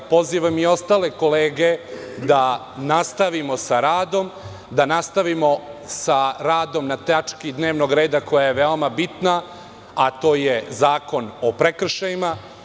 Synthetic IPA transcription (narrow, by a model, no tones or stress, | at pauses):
po̞ziːʋamio̞st̪aːle̞koleːɡe | d̪a | nast̪aʋimo̞saɾaːd̪o̞m | d̪anast̪aʋimo̞saɾaːd̪o̞mnat̪at͡ʃkid̪ne̞ːʋnoɡɾe̞ːd̪ako̞jajeʋeomabit̪na | at̪o̞ːjezaːko̞nopɾekr̩ʃajima